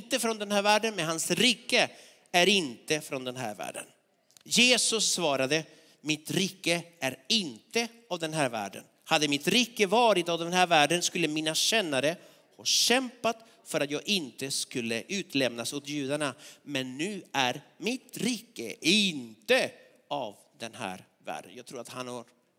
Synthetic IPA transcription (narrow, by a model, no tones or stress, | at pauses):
t̪əfɾɔnd̪ɛnɦæːɾvæːɖənmɛnɦansɾiːkːə | æɾɪnt̪əfɾɔnd̪ɛnɦæ̰ːɾvæ̰ːɖə̰n | jeːsɵsːvɑːɾad̪ə | mɪt̪ɾiːkːəæɾɪnt̪ə | avd̪ɛnɦæːɾvæ̰ːɖə̰n | had̪ːəmɪt̪ɾiːkːəvɑːɾɪt̪avd̪ɛnhæːɾvæːɖənskɵlːəmiːnaɕɛnːaɾə | hɑːɕɛmpat̪ | fœɾat̪jɑːɡɪnt̪əskɵlːəʔʉ̟ːt̪lɛmnasɔt̪jʉ̟ːd̪aɳamɛnːʉ̟ːæɾmɪt̪ɾiːkːə̰ɪnt̪ə | av | d̪ɛnɦæ̰ːɾ | væ̰ːɖə̰njɑɡ̚t̪ʰɾuːɾat̪hanhaɾ